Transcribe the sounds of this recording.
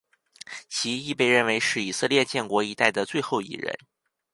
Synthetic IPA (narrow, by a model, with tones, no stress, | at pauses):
t͡ɕʰi˧˥i˥˧pe˥˧ɪɻə˥˩nwe˧˥ɪʂɻ̩˥˩i˨˩sɤ˥˧ljɛ˥˧t͡ɕjɛ˥˩nkwɔ˧˥i˧˥t̪a˥˩ɪd̪ə˩t͡swe˥˧ɪxo˥˩ʊḭ˥˩ɻə̰˧˥n